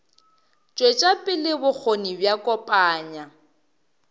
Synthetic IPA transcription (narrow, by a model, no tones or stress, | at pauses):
t͡ʃʼwet͡ʃʼapʼɪlɪbʊk͡xʰonibjakʼɔpʼaːɲa